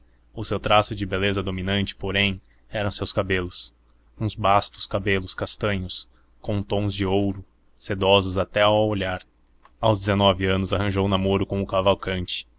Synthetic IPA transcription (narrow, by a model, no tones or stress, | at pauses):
ʊsewt̪ɾasʊd͡ʒɪbelezɐd̪ominɐ̃nt͡ʃɪ̥poɾẽj̃ | ɛɾɐ̃w̃sewskabelʊs | ũzbast̪ʊ̥skabelʊskast̪ɐ̃ɲʊs | kõt̪õzd͡ʒɪowɾʊ | sed̪ɔzʊzat̪ɛaoʎaɾ | awzd͡ʒɪzenɔvɪɐ̃nʊzaɦɐ̃ʒownamoɾʊkõʊkavawkɐ̃nt͡ʃɪ̥